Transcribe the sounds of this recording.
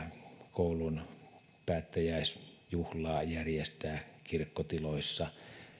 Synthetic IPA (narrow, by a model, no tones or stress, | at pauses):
koˑulun | pæːt̪ːæjæˑisjuhlɑːjærjest̪æːkirkːot̪iloisːɑ